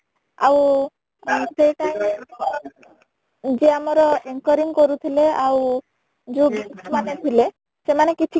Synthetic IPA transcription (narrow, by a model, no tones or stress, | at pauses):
a̰w | sejʈaj | d͡ʒeamɔɾɔeŋkɔɾiŋkɔɾut̪ʰileaw | d͡ʒubisʰmanet̪ʰile | semanekit͡ʃʰi